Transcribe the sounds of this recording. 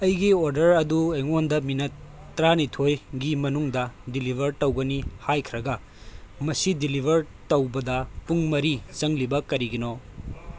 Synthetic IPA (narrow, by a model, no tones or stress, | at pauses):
ɐjɡioɾdɐɾɐdueŋondɐminɐtː | ɾanitʰojɡimɐnuŋdɐdilibʱɐɾtɐwɡɐnihajkʰɾɐɡɐ | mɐsidilibʱɐɾ | tɐwbɐdɐpuŋmɐɾit͡ʃɐŋlibɐkɐɾiɡino